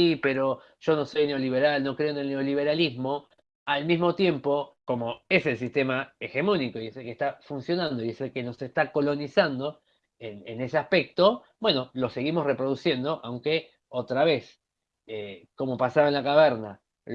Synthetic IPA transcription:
ipe̞ɾo̞ | ʒ̥o̞no̞so̞jne̞o̞liβ̞e̞ɾalno̞kɾe̞one̞lneo̞liβ̞e̞ɾalizmo̞ | almizmo̞t̪je̞mpo̞ko̞mo̞e̞se̞ls̬ist̪e̞maexe̞mõ̞niko̞ieselkest̪afunsjo̞nãnd̪o̞ieselke̞nosest̪ako̞lo̞nisand̪o̞ | enene̞seaspe̞k̚t̪o̞ | bwe̞no̞lo̞se̞ɣ̞imo̞srepɾo̞ðusje̞nd̪o̞ʔawŋke | ot̪ɾaβ̞e̞s | eko̞mo̞pasaβaenlakaβeɾna

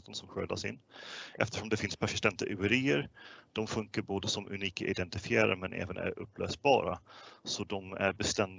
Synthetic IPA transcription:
t̪ənsɔmɧøːd̪a̰sɪ̰nːʔɛ̰ft̪ə̥ʂɔmd̪ɛfɪnspʰæʂɪst̪ɛnt̪aʔʉəɾiːəɾd̪̥ɔmfɵŋkaɾboːd̪əsɔmʔɵ̰niːkaʔɪd̪ɛnt̪ɪfɪæːɾamɛnʔɛ̰ːvənʔæ̰ɾɵ̰pʰːlø̰ːsbɑːɾasɔd̪ɔmæɾbɛst̪ɛn

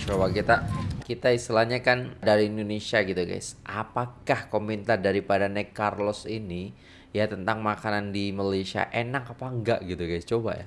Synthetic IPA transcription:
t͡ʃowakit̪akit̪aist̪ilahɲakandaɾiindonesiaɡit̪uɡa̰isʔapakahkomɛnt̪ardaɾipadanɛkarlɔsini | jat̪ənt̪aŋmakanandimalesia̰ʔenakapaŋɡaʔɡit̪uɡajst͡ʃoba̰ja̰

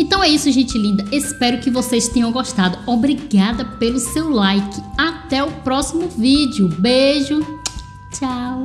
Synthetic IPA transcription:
ẽt̪ɐ̃w̃ɛisʊʒẽt͡ʃɪlĩnd̪ɐespɛɾʊkɪvosest̪ẽɲɐ̃w̃ɡɔʃt̪ad̪ʊobɾiɡad̪ɐpelʊsewlajkɪ̥at̪ɛʊpɾɔsimʊvid͡ʒiʊbeʒʊ | t͡ʃaw

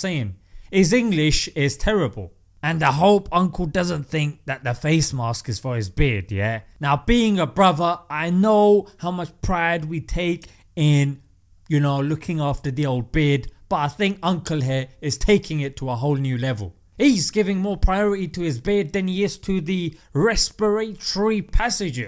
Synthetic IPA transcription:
sẽɪ̃mɪzɪ̃ŋɡlɪʃɪz̥tʰɛɹɨbə̰l̩ˠ | ɨ̃nðəɦoʊpʌ̃ŋkʰəl̩ˠdʌzə̃nθɪ̃ŋk̚ðɨt̪̚ðɨfeɪsmɑskɨz̥fə˞ɨzbɪdjæ̰naʊbiɪ̃ŋəbɹʌðə˞aɪnoʊhaʊmʌt͡ʃpʰɹ̥aɪd̚witʰeɪk | ɪ̃n | jɨnoʊlʊkʰɪ̃ŋæftə˞ðioʊlˠd̚bɪɹdb̥ʌɾaɪθɪ̃ŋkʌ̃ŋkəl̩ˠɦiɹɨz̥tʰeɪkʰɪ̃ŋɪtʰəəɦoʊlˠnjʉlɛvə̰l̩ˠ | hizɡɪvɪ̃ŋmɔɹpʰɹ̥aɪɔɹɨɾiɾɨɨzbɪd̪̚ðɨ̃niɪz̥tʰɨðɨɹɛspə˞eɪtə˞ipʰæsɨd͡ʒɪ

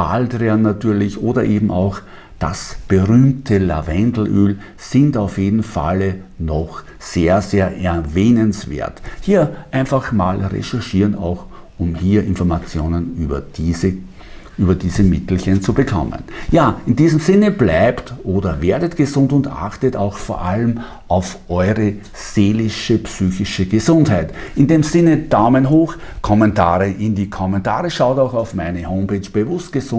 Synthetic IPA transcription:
a̰ldʁeɐnnːatyːɐlɪçʔoːdɐʔeːbm̩ʔa̰ʊx | d̥a̰sb̥əʁyːmtʰəla̰vɛndl̩ʔøːl | z̥ɪ̃ndaʊfjeːdn̩fa̰lənɔx | z̥eːɐzeːɐʔɛɐveːnənsv̥ḛːɐthiːɐʔæɪnfaxma̰ːlʁɛ̰ʃɛɐʃiːəna̰ʊx | ʔʊmhiːɐʔɪnfɔɐmat͡sjoːnənyːbɐd̥iːz | ʔyːbɐdiːzəmɪtl̩çənt͡subəkʰɔ̰mə̰njaːɪndiːzm̩zɪnəb̥laɪptʔoːdɐveːɐdətɡ̥əzʊntʊ̃ntʔa̰xtətaʊxfoːɐʔaləm | ʔaʊfʔɔʏʁə | z̥eːlɪʃəpsyːçɪʃəɡəzʊ̃ntɦæɪtɪndeːmzɪnəd̥aʊmənɦoːxkʰɔmɛ̃ntaːʁəʔɪndiːkʰɔmɛntʰaːʁəʃaʊtaʊxaʊfmæɪnəhoʊmpeːt͡ʃb̥əvʊstɡ̥əzʊ

